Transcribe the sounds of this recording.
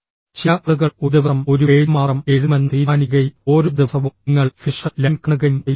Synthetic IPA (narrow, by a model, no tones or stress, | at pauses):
t͡ɕaːɭuɣɐuðɐʋɐmoɾueːɻmaːɐme̞ɻumɐnːiːɾaːniɣɐjoːɾud̪ɐsɐʋuŋːɐɭfiʂɐlɐnkɐnɣɐjm